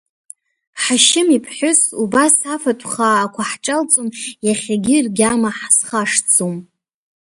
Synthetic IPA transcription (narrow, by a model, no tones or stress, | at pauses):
ħaʃɪmipʰħʷʊsubasafatʷʰʼχaːkʷʰaħʈ͡ʂʼalt͡sʼʊnjaχʲaɡʲɪrɡʲamaħsχaʂd͡zom